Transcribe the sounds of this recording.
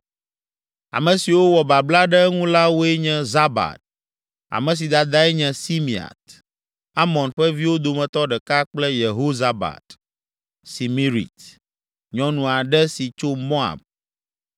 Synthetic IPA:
a̰˨mɛ̃˨si˨wo˦wɔ˨ba˨bla˦ɖɛ˦ŋũ˦la˦wo˦ɛ˦ɲɛ̃˦za˦ba̰˨t̪̚ | a̰˨mɛ̃˨s̬i˨d̪a˨d̪a˦ɛ˦ɲɛ̃˨si˦mi˨a̰˨t̪ | a˦mɔ̃˨nɸɛ˦vi˦wo˦d̪o˨mɛ̃˨t̪ɔ˦ɖɛ˨ka˦k͡plɛ˦je˨ɦo˦za˦ba̰˨t̪ | si˨mi˦ɾḭ˨t̪ | ɲɔ̃˨nũ˨a˨ɖɛ˦si˨t͡ʃo˦mo˦a̰˨b̚

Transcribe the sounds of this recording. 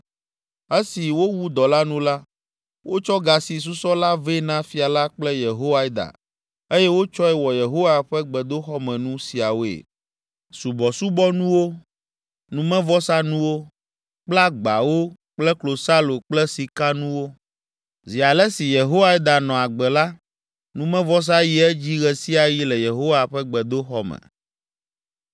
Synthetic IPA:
e˦si˨wo˦wu˦d̪ɔ˨la˦nũ˦la˦ | wʔo˦t͡ʃɔ˦ɡa˨si˨s̬u˦sɔ˦la˦ve˦nã˦fi˨a˨la˦k͡plɛ˦je˨ɦo˦wa˦d̪a̰˨ | e˦jɛ˦wo˦t͡ʃɔ˦ɛ˦wɔ˨je˨ɦo˦wa˦ɸɛ˦ɡ͡bɛ˨d̪o˦xɔ˦mɛ̃˨nũ˦si˨a˨wo˦ḛ˨ | su˨bɔ˨su˦bɔ˦nũ˦wo˦ | nũ˦mɛ̃˦vɔ˦sa˦nũ˦wo˦ | k͡pla˦ɡ͡ba˨wo˦ | k͡plɛ˦klo˨sa˦lo˨k͡plɛ˦si˨ka˦nũ˦wo˦ | zi˨a˨lɛ˦si˨je˨ɦo˦wa˦i˦d̪a˨nɔ̃˨a˨ɡ͡bɛ˨la˦ | nũ˦mɛ̃˦vɔ˦s̬a˦ji˦ɛ˦d͡ʑi˦ɣɛ˦si˦a˨ji˦lɛ˨je˨ɦo˦wa˨ɸɛ˦ɡ͡bɛ˨d̪o˦xɔ˦mɛ̰̃˨

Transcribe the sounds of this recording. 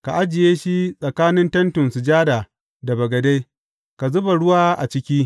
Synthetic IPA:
ka˨ʔa˦d͡ʒɪ˨jeː˦ʃi˦sʼɐ˨kaː˦nɪ˦ntɐ˦ntʊ˨nsʊ˨d͡ʒaː˦daː˨ | da˨bɐ˨ɡɐ˨da˦j | ka˨zʊ˦ba˨ɽʊ˦waː˦ʔa̰˨t͡ʃɪ˦kʲiː˦

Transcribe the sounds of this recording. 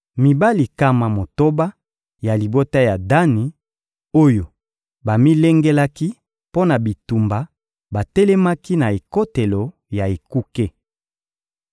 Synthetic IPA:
mi˨ba˦li˨ka˦ma˨mo˨to˦ba˦ | ja˨li˨bo˦ta˦ja˨da˦ni˨ | o˦jo˨ | ba˨mi˦lɛ˦ŋɡe˦la˦ki˦ | po˦na˨bi˨tu˨mba˨ | ba˨tɛ˦lɛ˦ma˦ki˦na˨e˨ko˦te˨lo˨ | ja˨e˨ku˦ke˦

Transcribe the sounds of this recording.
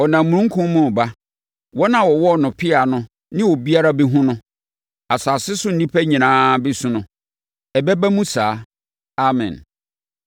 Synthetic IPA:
ɔ˨nã˨mmũ˨ũ˦ŋ̩˦kʰʊ̃˦mmʊ̃˦˨ba˦ | wɔ˦nã˨wɔ˨wɔ˦˨nʊ̃˨pʰɪ˦a˨nʊ̃˦ | nɪ̃˦wɔ˨bi˦a˦ɾa˦bi˦ɦʊ̃˦nʊ̃˦ | a˨sa˨sɪ˦sʊ˦n̩˨nĩ˦pʰæ˦ɲĩ˨nãː˨˦bɛ˦sũ˨nʊ̃˦ | ɛ˨bɛ˦ba˦mũ˦saː˨˦ | a˦mɛ̰̃˨n

